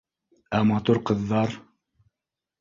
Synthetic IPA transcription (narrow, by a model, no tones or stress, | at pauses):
æmɑt̪uɾqɤ̆ðːɑɾ